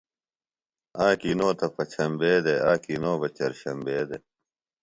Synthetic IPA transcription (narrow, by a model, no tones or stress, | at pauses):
aːkinoːt̪ɐpɐt͡ɕʰɐmbeːd̪eaːkinoːbɐt͡ɕɐɾɕɐmbeːd̪e